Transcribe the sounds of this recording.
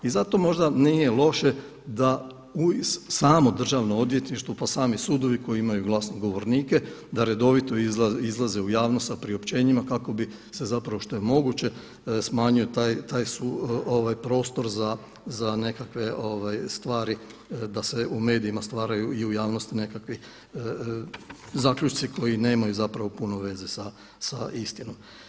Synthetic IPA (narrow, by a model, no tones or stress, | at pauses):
izat̪o̞mo̞ʒd̪anije̞lˠo̞ʃe̞ | d̪a | usaːmo̞d̪r̩ʒaʋnoo̞d̪ʋje̞t̪niʃt̪ʋopasaːmisuːd̪o̞ʋiko̞jiimajuɡlˠasnoɡo̞ʋo̞ɾniːke̞d̪aɾe̞d̪o̞ʋit̪o̞izizlˠaze̞ujaːʋnost̪sapɾio̞pt͡ɕe̞ːɲimakako̞bi | se̞zapɾaʋoʃt̪o̞je̞mo̞ɡut͡ɕe̞ | smaːɲujet̪aːjt̪aːjsuoʋajpɾo̞ːst̪o̞ɾza | zane̞kakʋe̞ʔo̞ʋajst̪ʋaːɾi | d̪ase̞ume̞ːd̪iimast̪ʋaːɾajuiujaːʋno̞st̪ine̞kakʋi | zaːkʎut͡ʃt̪sikʰo̞jine̞ːmajuzapɾaʋo̞puno̞ʋe̞ze̞sa | saist̪ino̞m